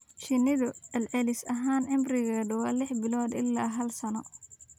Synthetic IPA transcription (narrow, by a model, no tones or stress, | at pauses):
ʃɪnɪðʊɐlʕɛlɪsɐɦaːnʔɪmbrɪɣaːɖwɑːlɪħbɪlɔːd̪ɪ̰lːaːɦɐlsɐnɔ